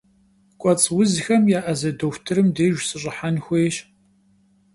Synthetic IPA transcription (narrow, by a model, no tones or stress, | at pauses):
kʷʼɔt͡sʼwʊzxɐmjaːʔɐzɐdoːxʷtʰɨɾɨmdeːʒʷsɨɕ̬ʼɪħanxʷeːɕ